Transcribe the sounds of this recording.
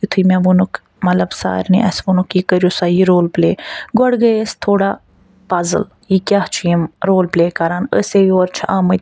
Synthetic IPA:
it̪ʰujmʲãʋunuk | mɐlɐbsa̰ːɾʲnḭʔɐsʋunukjikəɾjosaːjiɾoːlplḛːɡɔɽɡəjəst̪ʰoːɽa | paːzɨ̰l | jikʲaht͡ʃʰijimɾoːlpleːkɐɾaːnəseːʋioːɾt͡ʃʰiʔaːmə

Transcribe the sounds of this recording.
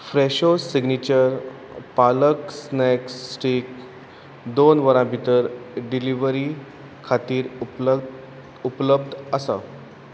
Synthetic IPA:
fɾeɕosiɡnit͡ɕəɾ | paləksnɛksʈik̚ | d̪onʋəɾãbʱit̪əɾɖiliʋəɾi | kʰat̪iːɾ | upləbd̪əsa̰

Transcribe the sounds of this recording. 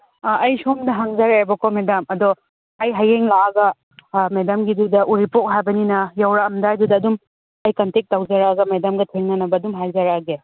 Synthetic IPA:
ɐjsomdɐɦɐŋzaɾaebɐkomedɐmɐdɔ | ɐjɦajeŋlaɡɐ | medamɡidudɐʔuɾipok̚ɦajbɐninɐjɐwɾaːmdajdudɐːdum | ɐjkɐntek̚tawzaɾaɡɐmedamɡɐtʰiŋnɐnɐbɐːdumɦajzaɾaɡe

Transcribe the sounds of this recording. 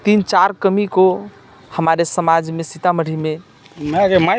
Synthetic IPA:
t̪int͡ʃaɾkəmiko | həmaɾesəmad͡ʒmesit̪aməɽ̤ʱime | meaɡema

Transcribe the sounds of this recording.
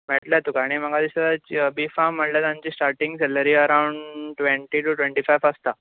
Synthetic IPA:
mɛʈljat̪ukaɽ̃im̤əɡad̪isad̪at͡ɕbiːfam̤ːəʈljat̪ãɲt͡ɕiːsʈaɾʈiŋɡsɛləɾiːəɾauɳɖʈʋeɳʈiːʈuʈʋẽɳʈifajʋast̪a

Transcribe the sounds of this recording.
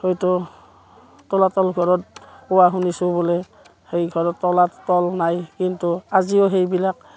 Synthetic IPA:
hojtɔ | tɔlatɔlɡʱɔɹɔtpɔwaɦunisʊbɔlɛ | hejɡʱɔɹɔtːɔlatɔlnajkintuaziɔɦejbilak̚

